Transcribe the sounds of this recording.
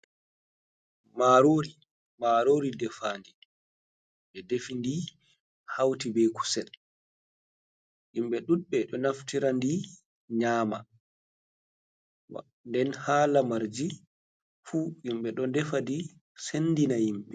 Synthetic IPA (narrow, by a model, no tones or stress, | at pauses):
maɾoːɾi | maɾoːɾidɛfaːndi | ɓɛdefindi | hawtibɛku̥sɛl | ʔimɓɛɗuɓɛɗɔnaftiɾandi | ɲaːma̰ | wa̰ | ndɛnhaːlamaɾd͡ʒi | fuʔimɓɛɗɔndɛfadi | senːdinajimɓɛ